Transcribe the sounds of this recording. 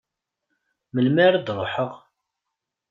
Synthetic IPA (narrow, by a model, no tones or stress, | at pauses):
məlmæɾad̪ɾˤoħəʁ